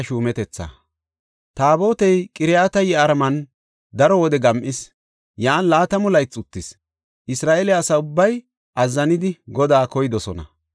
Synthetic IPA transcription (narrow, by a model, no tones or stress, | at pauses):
ʃuːmɛt̪ɛt͡sːɐ̰ | t̪aːbo̞ːt̪ɛjkʼɪɾɪjaːt̪ɐjɛɐɾmɐn | d̪ɐɾɔwɔd̪ɛɡɐmʔɪs | jaːnlaːt̪ɐmʊlɐjt͡sʼʊt̪ːɪs | ʔɪsɾaːʔeːlɛɐsɐʊbːɐj | ʔɐzːɐnɪd̪ɪɡɔd̪aːkɔjd̪ɔsɔnɐ̰